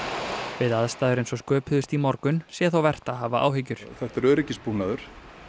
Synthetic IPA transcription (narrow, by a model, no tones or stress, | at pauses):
vɪðaðst̪aːðʏɾejnsɔskœːphʏðʏst̪imɔɾkʏnsjɛθawvɛr̥t̪aðɦaːvaʔa̰ːwɦɪcʏɾ̥θɛht̪ɛɾœːɾɪcɪspunaðʏɾ̥